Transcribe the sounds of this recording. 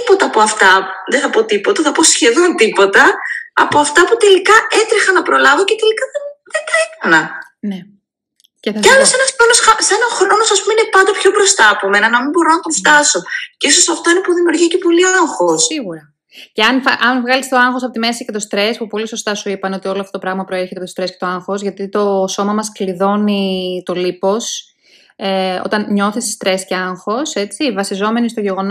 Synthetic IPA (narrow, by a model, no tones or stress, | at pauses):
ipo̞t̪ɐːpoɐft̪ɐ | ðeθɐpo̞t̪ipo̞t̪ɐθɐpo̞sçe̞ðo̞nt̪ipo̞t̪ɐɐpo̞ɐft̪ɐput̪e̞likɐe̞t̪ɾixɐnɐpɾo̞lɐvo̞cet̪e̞likɐðenðent̪ɐek̪ɐnɐ | ne | ceɐlosenɐsxɾonosxɐsenɐxɾono̞sɐspumeinepɐnd̪ɐpço̞bɾo̞st̪ɐːpome̞nɐnɐmimbo̞ɾo̞nɐt̪oɱft̪ɐso̞ceiso̞sɐft̪o̞ine̞puðimiuɾʝicepo̞liaŋxossiɣuɾɐ | ceɐnfʔɐnvɣɐlist̪oɐŋxo̞sɐpo̞t̪ime̞sice̞t̪o̞st̪ɾe̞spupo̞liso̞st̪ɐsuipɐno̞t̪io̞loɐft̪ot̪pɾɐɣmɐpɾoeɾçet̪tost̪ɾe̞scet̪oɐŋxo̞zʝɐt̪it̪o̞so̞mɐmɐskliðo̞nit̪o̞lipo̞s | eo̰t̪ɐnɲo̞θisi̥st̪ɾe̞sceɐŋxo̞se̞t͡sivɐsizo̞me̞nist̪o̞ʝe̞ɣo̞n